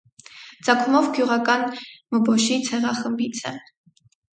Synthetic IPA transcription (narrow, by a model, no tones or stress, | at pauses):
d͡zɑkʰumɔvɡjuʁɑkɑnməbɔʃit͡sʰɛʁɑχəmbit͡sʰɛ̰